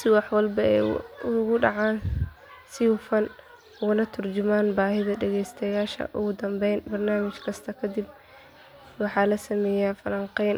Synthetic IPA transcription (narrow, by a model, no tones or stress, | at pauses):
sɪwɑħwɑlbɐɛ̰jʊɣʊɖɑʕaːn | sɪwʊfɐn | ʊɣʊnɐt̪ʰʊrd͡ʒɪmaːnbaːɦɪðɐɖɛɣɛjst̪ʰɐjaːʃɐ̰ʔʊɣʊd̪ɐmbɛjnbɐrnaːmɪt͡ʃkʰɐst̪ʰɐkʰɐd̪ɪb̚ | wɑħɑːlɐsɐmɛːjafɐlɐɴqɛjn